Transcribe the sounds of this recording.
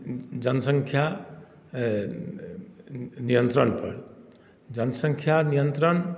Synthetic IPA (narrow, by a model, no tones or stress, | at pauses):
d͡ʒɐnsə̃ŋkʰja | nijənt̪ɾəɳpɐɾ | d͡ʒɐnəsə̃ŋkʰjanijə̃nt̪ɾəɳ